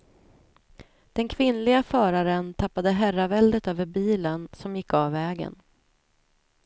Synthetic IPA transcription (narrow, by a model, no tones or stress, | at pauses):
d̪̥ɛnkʰvɪnlɪɡafœːɾaɾənt̪ʰapːad̪əɦæɾavɛld̪ət̪øːvəɾbiːlənsɔmjɪkːavːɛːɡə̰n